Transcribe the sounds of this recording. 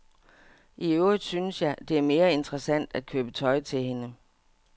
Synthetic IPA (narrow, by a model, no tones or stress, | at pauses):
ʔiøʊid̥ˠsynəsjɑ̈ɪd̥e̝æɐme̝ːɐe̝nd̥ʁəsæn̰d̥æd̥̚kʰøːb̥ət͡sʰɒ̽ɪt͡sʰe̝lɦe̝nə